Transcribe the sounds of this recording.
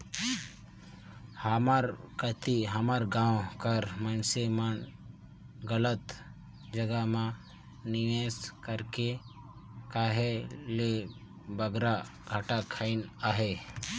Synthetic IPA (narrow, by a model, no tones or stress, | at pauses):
həmaɾkət̪iɦəmaɾɡãːwkəɾmənsemən | ɡələt̪ | d͡ʒəɡəmã | niʋeːskəɾke | kaːɦele | bəɡɾa | ɡʱaʈakʰaɪnaːɦe